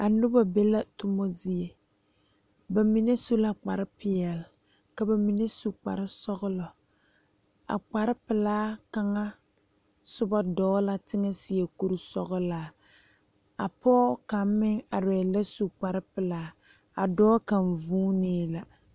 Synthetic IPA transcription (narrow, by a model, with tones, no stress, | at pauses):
a˨nʊ˦ba˦be˦la˦tʊ˦mo˦zi˦e˨ | ba˨mi˨ne˦su˦la˨k͡pa˨ɾɪ˦pɪ˨ɛ˨l | ka˨ba˨mi˨ne˦su˨k͡pa̰˨ɾɪ˦sɔ˦ɣʊ˦lɔ˨ | a̰˨k͡pa˨ɾɪ˦pɪ˨laː˦ka˦ŋa˦ | sʊ˦ba˦dɔː˦la˦tɪ˦ŋa˦sɪ˨e˨ku˦ɾu˦sɔ˦ɣʊ˦laː˨ | a̰˨pɔ˦ka˨m˦mɪ˦ŋa˨ɾɛ˨la˦su˨k͡pa˨ɾɪ˦pɪ˨laː˦ | a̰˨dɔː˦ka˨n˨vuː˦neː˦la˨